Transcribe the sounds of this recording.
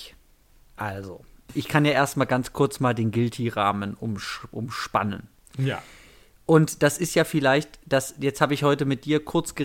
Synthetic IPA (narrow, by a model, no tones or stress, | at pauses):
ʔalzo̰ʔɪçkʰanjaːʔeːɐstmaːlɡant͡skʰʊɐt͡smaːldeːnɡɪltʰiʁaːmənʔʊmʃʔʊ̰mʃpa̰nə̰n | ʔʊntd̥asɪstjaːfɪlaɪçtd̥asjɛt͡sthaːbəɪçhɔʏtəmɪt̚d̥iːɐkʰʊɐt͡sɡ̥ə